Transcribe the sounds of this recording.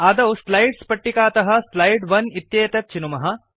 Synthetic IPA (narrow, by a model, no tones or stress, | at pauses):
ɐːd̪ɐwslɐjɖspɐʈːikaːt̪ɐɦɐ̆slɐjɖʋɐnit̪jeːt̪ɐt̪̚t͡ʃinumɐɦɐ̆